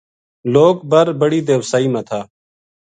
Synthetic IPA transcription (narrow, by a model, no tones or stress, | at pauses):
loːkbəɾbəɽiːd̪eːʋsaːiːmãːt̪ʰaː